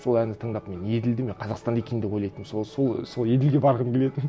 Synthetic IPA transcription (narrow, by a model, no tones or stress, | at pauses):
so̞lˠænd̪ɪt̪ʰəɴd̪ɑpme̞ne̞d̪ɪld̪ɪmeqʰɑzɑqst̪ɑnekʲej̪nd̪eojlˠɑjt̪əmsoso̞lˠso̞lˠje̞d̪ɪlɡʲebɑɾʁənkʲele̞t̪ɪn